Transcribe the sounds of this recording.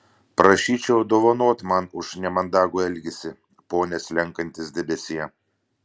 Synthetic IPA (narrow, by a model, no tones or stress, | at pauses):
pɾɐʃʲiːt͡ʃʲɛʊd̪oːʋɐnoɔt̪mɐnʊʃnʲɛmɐnd̪ɑːɡuːɛlʲɡʲɛsʲɪ | poːnʲɛsʲlʲɛŋkɐnʲt̪ʲɪsd̪ʲɛbʲɛsʲɪjɛ